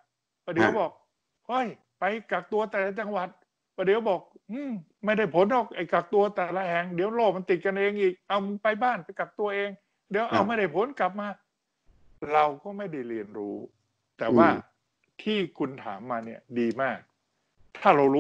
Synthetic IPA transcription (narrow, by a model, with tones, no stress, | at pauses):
paː˧˩di˨˦wbɔː˨˩k̚ | ho˧˥˩j | pa˧jka˨˩k̚t̪u˧ɐt̪ɛː˨˩la˦˥t͡ɕa˧ŋwa˨˩t̪̚ | pa˧˩diː˨˦wbɔː˨˩k̚ʔɯː˧˩m | ma˥˩jda˥˩jpʰo˨˦nːɔː˨˩k̚ʔa˨˩jka˨˩k̚t̪u˧ɐt̪ɛː˨˩la˦˥hɛ˨˧ŋdi˨˦wloː˥˩ma˧nt̪i˨˩t̪̚ka˧nʔeː˧ŋʔiː˨˩k̚ʔa˧wma˧npa˧jbaː˥˩npa˧jka˨˩p̚t̪u˧ɐʔeː˧ŋ | di˨˦wʔa˧wma˥˩jda˥˩jpʰo˨˦nkla˨˩p̚maː˧ | ɾa˧wkɔː˥˩ma˥˩jda˥˩jɾi˧ənɾuː˦˥ | t̪ɛː˨˩waː˥˩ | t̪ʰiː˥˩kʰu˧nt̪ʰa̰ː˩˦mːaː˧ni˥˩ɐdiː˧maː˥˩k̚ | t̪ʰaː˥˩ɾa˧wɾː